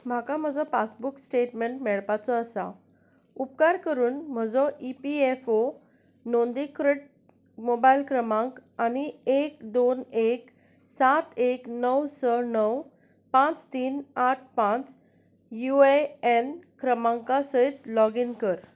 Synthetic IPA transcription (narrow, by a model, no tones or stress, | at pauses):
m̤akam̤əd͡zɔpat͡sbuksʈeʈmeɳʈmɛɭpat͡sɔəsa̰ | up̚kaɾkəɾuːnm̤əd͡zɔʔipiefo | nond̪ikɾəʈ̚ | mobailkɾəmãŋkañiekd̪onek | sat̪eknəwsənəw | pãt͡st̪iːnaʈ̚ʰpãt͡s | jueenkɾəmãŋkasəit̪lɔɡinkəɾ